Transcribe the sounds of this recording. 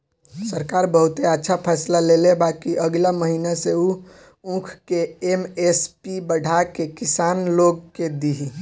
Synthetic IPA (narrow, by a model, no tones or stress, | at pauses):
səɾkaːɾbəɦut̪eətːʃʰapʰɛslalelebakiʔəɡlaməɦinaseu | ũkʰkeemespibəɖʱakekisaːnloɡ̚ked̪iɦi